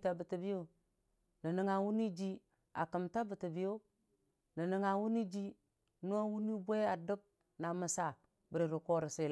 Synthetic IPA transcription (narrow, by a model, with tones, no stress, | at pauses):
ta˨bə˨ti˨bi˦o˦ | ni˨ni˨˦ŋa˨wu˦ni˦d͡ʒi˦ | a˨kə˨mta˦bə˨ti˨bi˦jo˦ | ni˨ni˨ŋa˨wu˦ni˦d͡ʒi˦ | nu˦a˦wu˦ni˦bʷe˦a˨də˦b̚ | na˨mə˨sa˦˨ | bə˨ɾi˨ɾu˨ko˦ɾi˨si˨